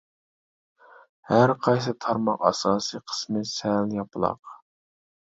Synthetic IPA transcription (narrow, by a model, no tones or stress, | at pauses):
hæɾqʰɑjsɨt̪ʰɑɾmɑqɑ̰sɑːsɨqʰə̥smɨsæljɑpɨlˠɑ̰q